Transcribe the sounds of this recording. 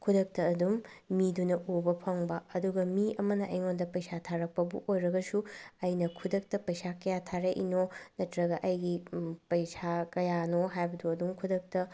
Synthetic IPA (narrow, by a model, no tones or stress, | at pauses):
kʰudɐk̚tɐːdumːidunɐʔubɐpʰɐŋbɐːduɡɐmiɐmɐnɐʔɐjŋondɐpɐjsatʰaɾɐk̚pɐbṵʔojɾɐɡɐsuɐjnɐkʰudɐk̚tɐpɐjsakɐjatʰaɾeʔḭnonɐtɾɐɡɐʔɐjɡipɐjsakɐjanoɦajbɐduɐduŋkʰudɐk̚tɐ